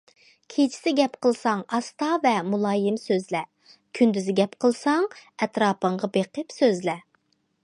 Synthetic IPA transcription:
kʲʰet͡ʃʰi̥sɪɡʲɛpqəlˠsɑŋɑst̪ɑvɛmulˠɑːjɪmsøzlɛ | kʲʰynd̪yzɪɡʲɛpqʰəlˠsɑŋɛt̪ɾɑːpəɴʁɑbeqəpsøzlɛ

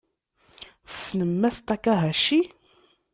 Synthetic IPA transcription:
snəmːæst̪ækæɦæʃi

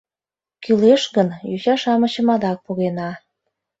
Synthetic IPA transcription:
kyleʃɣənjuɕɑʃɑmə̆t͡ɕə̆mɑd̪ɑk̚puɣenɑ

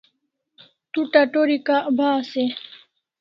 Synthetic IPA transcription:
t̪uʈaʈoɾikaʔbaːse

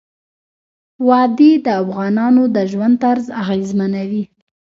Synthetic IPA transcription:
wɑd̪ed̪əafɣɑnɑnod̪əʒwand̪̚t̪aɾzaɣezmanawi

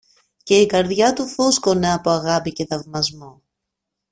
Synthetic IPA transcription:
ce̞ikɐɾðʝɐt̪ufuskone̞ɐpoɐɣɐpice̞θɐvmɐzmo

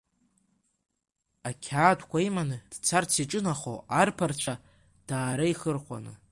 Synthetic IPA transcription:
akʲʰaːtʰkʷʰaimanɨd̥t͡sʰart͡sʰiʈ͡ʂʼɨnaχo̰arpʰart͡ʃʷʰa | d̥aːɾaiχərχʷa̰nɨ̰

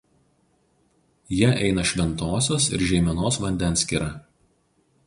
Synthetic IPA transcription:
jiʔɛɪnɐʃʲʋʲɛnt̪oːsʲoːsɪ̰ɾʒʲɛɪmʲɛnoːsʋɐnʲd̪ʲɛnˑsʲkʲiɾɑ

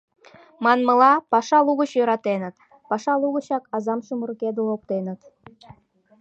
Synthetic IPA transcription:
mɑnmɤ̆lɑpɑʃɑlˠuɣə̆ɕjø̆ɾɑt̪enə̆t̪ | pɑʃɑlˠuɣə̆ɕɑkɑzɑmʃəmurked̪olop̚t̪enə̆t̪

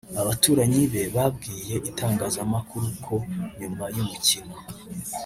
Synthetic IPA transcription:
aβatuːɾaɲiβe̞βabɡiːje̞ʔitʰaːŋɡaːzamakuɾukʰo̞ɲumajumucino

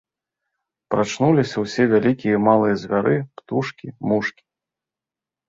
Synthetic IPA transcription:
pɾat͡ʂnulʲisʲɐwsʲɛvʲalʲikʲijɐmalˠɨjɐzʲvʲaɾɨpt̪uʂkʲimuʂkʲi̥

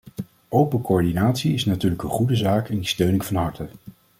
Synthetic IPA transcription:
ʔowpəkoɔɹdinaːtsiɪsnatyːɹləkənχudəzaːkɛnistøɥnɪŋvɑnɦɑɹtə

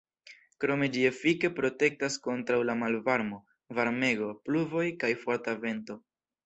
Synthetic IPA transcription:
kɾo̞me̞d͡ʒiefike̞pɾo̞te̞k̚tasko̞ntɾawlamalvaɾmo̞ | vaɾme̞ɡo̞pluvo̞jkajfo̞ɾtave̞nto̞

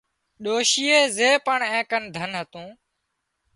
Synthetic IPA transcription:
ɗoːʃiːeːzeːpəɳɛ̃ːkənd̪ʱənɦət̪ũː

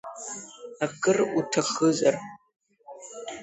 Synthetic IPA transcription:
ɐkʰʼɨrutʰɐxɨzʼɐr

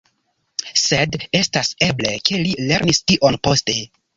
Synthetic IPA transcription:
se̞de̞stase̞ble̞ke̞lile̞ɾnistiʔonpo̞ste̞

